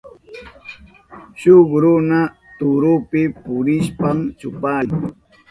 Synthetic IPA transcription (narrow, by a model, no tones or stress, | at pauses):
ʃʊkɾʊna | t̪ʊɾʊpɪpʊɾɪʃpamt͡ʃʊpaːŋ